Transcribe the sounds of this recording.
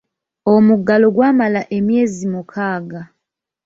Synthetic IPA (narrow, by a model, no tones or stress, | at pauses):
omuɡːalo̞ɡwaːmalaʔe̞mje̞ːzimukʰaːɡa